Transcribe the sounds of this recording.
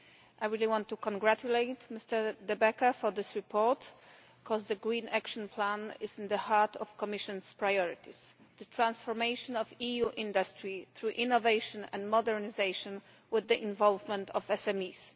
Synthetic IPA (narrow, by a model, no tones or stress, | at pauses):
ʔajɹiliwɔ̃nt̪ːukɔ̃nɡɾatuleɪt̪mɪst̪ɛɹd̪ɛbɛkafɔd̪ɪsɹipʰɔɹt | kʰɔzd̪əɡɾĩnʔakʃɔ̃npʰlãnɪzɪ̃nd̪əhaɹt̪ʰɔfkɔmɪʃɔ̃nspɹajɔɹɪt̪ʰis | d̪̥ət̪ʰɹãnsfɔɹmejʃɔ̃nɔvijuʔɪ̃nd̪astɹiθɾuʔĩnɔvejʃɔ̃nɛ̰̃ndmɔdɛɹnizejʃɔ̃n | wɪðːəʔĩnvɔlvmɛ̃nt̪ɔvɛsɛmis